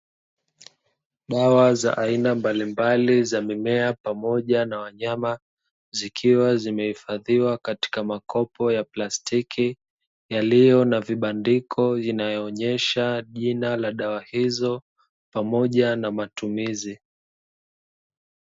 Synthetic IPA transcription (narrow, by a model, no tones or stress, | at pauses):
ɗawaza̰ʔainambalimbalizamimɛapamɔʄanawaɲama | zikʰiwazimɛhifaðiwakati̥kamakʰɔpɔjaplastikʰi | jalijɔnaviɓandikʰɔinajɔːɲɛʃaʄinalaɗawahizɔ | pamɔʄanamatumizi